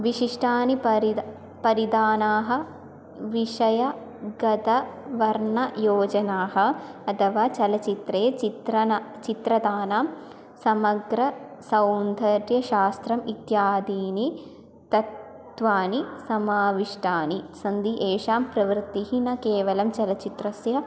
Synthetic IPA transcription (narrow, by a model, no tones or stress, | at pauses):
ʋiʃiʂʈʰaːnipɐɾi | pɐɾid̪aːnaːɦɐ̆ | ʋiʂɐjɐ | ɡɐd̪ɐʋɐɾɳɐjoːd͡ʒɐnaːɦɐ̆ɐt̪ʰɐʋaːt͡ʃɐlɐt͡ʃit̪ɾeːit̪ɾɐt͡ʃit̪ɾɐd̪aːnaːm | sɐmɐɡɾɐsɐwnd̪ʱɐɾjɐʃaːst̪ɾɐmit̪jaːd̪iːni | t̪ɐt̪ | ʋaːnisɐmaːʋiʂʈʰaːnisɐnd̪iʔeːʃaːmpɾɐʋɾt̪ːiɦinɐkeːʋɐlɐmt͡ʃɐlɐt͡ʃit̪ɾɐsjɐ